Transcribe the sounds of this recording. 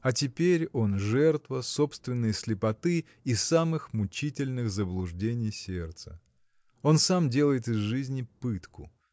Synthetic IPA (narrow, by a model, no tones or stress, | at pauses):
ɐtʲɪpʲeɾʲo̞nʐɛrt̪vəso̞pst̪vʲɪnːɨjəsʲlʲɪpɐt̪ɨː | samɨxmʊt͡ɕitʲɪlʲnɨxzəblˠʊʐdʲenʲɪjsʲert̪sə̰ | o̞nsamdʲe̞lˠəjɪt̪ɪzʐɨzʲnʲɪpɨt̪kʊ̰